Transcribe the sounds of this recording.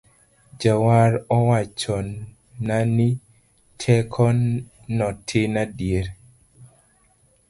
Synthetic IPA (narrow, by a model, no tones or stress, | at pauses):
d͡ʒawaɾɔwat͡ʃɔn | nani | tʰɛkʰɔnː | ɔtʰɪnadjeɾ